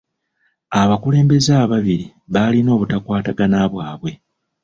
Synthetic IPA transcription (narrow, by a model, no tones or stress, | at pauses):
aβakule̞ːmbe̞zaːβaβiɾi | βalino̞ːβutakwaːtaɡanaβwaːβwe̞